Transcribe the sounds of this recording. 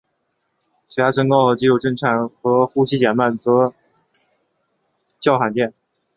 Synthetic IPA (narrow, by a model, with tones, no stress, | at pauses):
si˨˧˥a˥ʈ͡ʂʰɤ˥ŋkɑ˥ʊxɤ˧˥t͡ɕi˥˩o˧˩ʊʈ͡ʂɤ˥˩ŋʈ͡ʂʰa˨˩nxɤ˧˥xu˥˧ɕi˥t͡ɕjɛ˨˩nma˥˩nt͡sɤ˧˥ | t͡ɕjɑ˥˩ʊxa˨˩nt̪jɛ˥˩n